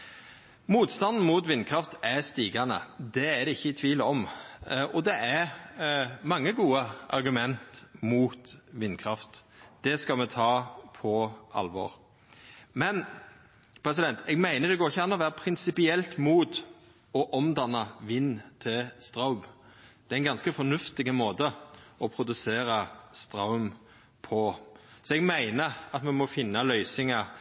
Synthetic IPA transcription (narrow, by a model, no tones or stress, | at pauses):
muːt̪st̪ɑnd̪n̩muːt̪ʋɪnːkʰɾɑft̪æst̪iːɡɑnə̰d̪ɛæɾd̪ɛɪçːəɪt̪ʰʋiːləɔmʔɔd̪ɛʔæɾ | mɑŋːəɡuːəʔɑ̰ɾɡʉmɛnt̪muːt̪ʋɪnːkʰɾɑft̪d̪̥ɛskɑmɛt̪ʰɑːpʰɔɑ̰lʋɔ̰ɾ | mɛn | pʰɾɛs̬ɪd̪ɛnt̪ɛɡmæɪnəd̪ɛɡoːɾɪçːəɑnːɔʋæːɾəpʰɾɪnsɪpɪɛlt̪muːt̪ | ɔʔɔmd̪ɑnːɑʋɪnːt̪ʰɪlst̪ɾɑʊmd̪̥ɛæɪnɡɑnskəfɔnʉft̪ɪɡəmoːd̪əɔpʰɾʊd̪ʉseːɾɑst̪ɾɑʊm | pʰɔsɔɛɡmæɪnəɑt̪mɛmɔfɪnːɑlœʏsɪŋɑ